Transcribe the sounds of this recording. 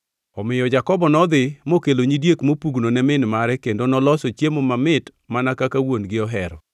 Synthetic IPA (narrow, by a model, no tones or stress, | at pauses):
ɔmɪjɔd͡ʒakɔbɔnɔd̪ɪmokeloɲidjekmopuɡnonɛmɪnmaɾɛkendonɔlɔsot͡ʃjemomamɪt | manakakawonɡɪɔɦɛɾɔ